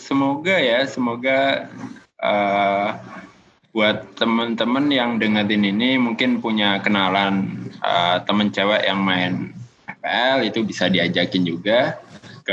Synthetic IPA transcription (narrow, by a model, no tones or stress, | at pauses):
səmoɡajasəmoɡa | ʔəː | buat̪ːəmənt̪əmənjaŋdəŋəɾɪninimuŋkɪnpuɲakənalanʔə̰t̪əmənt͡ʃewɛʔjaŋmaɪn | ɛpeʔɛlit̪ubisadiad͡ʒakɪnd͡ʒuɡa